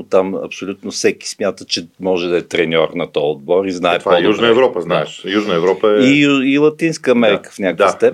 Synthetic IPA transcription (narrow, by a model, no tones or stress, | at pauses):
ot̪amɐ̰psolʲut̪nofsɛki̥smʲjat̪ət͡ʃɛmɔʒɛd̪ɐɛt̪ɾɛnʲɔɾnɐt̪ɔjod̪̚bɔɾiznaɛvaɔjuʒnəɛvɾɔpəznaɛʃjuʒnəɛvɾɔpəɛiilˠɐt̪inskəɐmɛɾikə̥fnʲakd̪əst̪ɛ